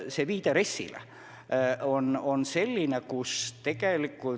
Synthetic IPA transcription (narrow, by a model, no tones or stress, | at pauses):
seʋiːt̪eresːḭlæ̰ | ononselːinekust̪ekælikːu